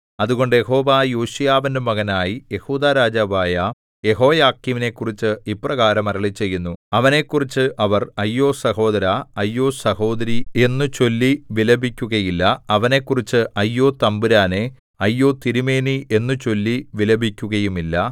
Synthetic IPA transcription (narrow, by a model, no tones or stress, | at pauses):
ɐðuɣo̞ɳɖɨjeɦo̞ːʋaːjoːɕujaːʋɐndɨmɐɣɐnaːjije̞huːd̪aːɾaːd͡ʑaːbaːjɐ | je̞ɦo̞ːjaːkːiʋine̞kːurit͡ɕːɨiprɐɣaːɾɐmɐɾɐɭit͡ɕːe̞jːunːuɐʋɐne̞kːurit͡ɕːɨʔɐʋɐrɐjːoːsɐɦo̞ːðɐɾaɐjːo̞ːsɐhoːd̪ɐɾie̞nːut͡ɕo̞lːiʋilɐbʱikʲːuɣɐjilːɐɐʋɐne̞kːurit͡ɕːɨʔɐjːo̞ːt̪ɐmbuɾaːne | ɐjːo̞ːt̪iɾime̞ːniʔe̞nːut͡ɕo̞lːiʋilɐbʱikʲːuɣɐjumilːɐ